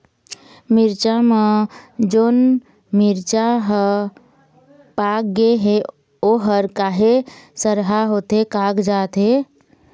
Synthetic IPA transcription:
miɾt͡ʃamed͡ʒoːn | miɾt͡ʃaɦə | pak̚ɡeɦe | oɦəɾkaːɦesəɾɦaɦot̪ɦekaɡd͡ʒaːt̪ɦe

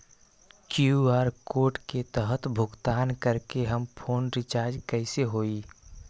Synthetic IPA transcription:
kuaːɾkoːʈket̪əɦət̪bʱʊɡt̪aːnkəɾkeɦəmpʰoːnɾɪt͡ʃaːɾd͡ʒkəɪseɦoːiː

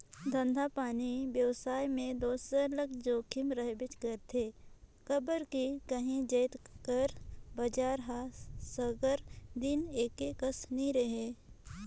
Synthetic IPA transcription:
d̪ʱə̃nd̪ʱapaːnibjəwsaːjmẽd̪oːsələɡd͡ʒoːkʰɪmɾəɦbɪt͡ʃkəɾt̪ʰekəbəɾkikəɦĩd͡ʒəːɪt̪kəɾbəd͡ʒaːɾɦasəɡəɾd̪ɪneːkekəsnĩɾəɦeː

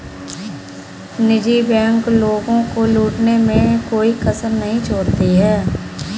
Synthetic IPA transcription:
nɪd͡ʒiːbɛ̃ːŋkloːɡõkoluːʈnemẽkoːikəsəɾnəɦĩt͡ʃʰoːɾt̪iɦɛː

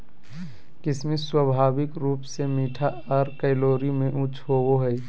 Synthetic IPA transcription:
kɪsmiswəbʱaːbɪkɾuːpsemiːʈʰa | ɔɾkɛɪloːɾimẽʔʊt͡ʃʰɦowoɦɛi

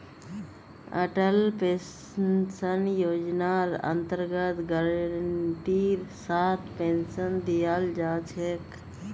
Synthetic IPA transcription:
ə̰ʈəlpe | sənjoːd͡ʒnaɾə̰nt̪əɾɡət̪ɡəɾəɳʈiɾsaːt̪ʰpensənd̪ijaːld͡ʒaːt͡ʃʰek

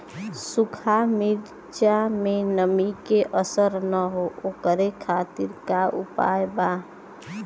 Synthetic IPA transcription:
sʊkʰamiɾ | t͡ʃamẽnəmikeʔəsəɾnəɦoʔoːkəɾekʰaːt̪iɾkaʊ̰pa̰ːjba

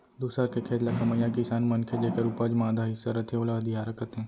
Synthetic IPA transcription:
d̪uːsaɾkekʰeːd̪lakɐməjãkɪsaːnmɐnkʰed͡ʒeːkɐɾupad͡ʒmaːd̪ʱaɦɪsɐɾɐt̪ʰeolaɐd̪ʱijaːɾɐkət̪ɦẽː

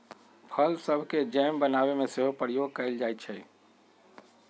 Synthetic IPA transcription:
pʰəlsəbʱked͡ʒɛmbənabemẽseɦopəɾjoɡ̚kəɪld͡ʒajt̪̚t͡ʃʰɛ

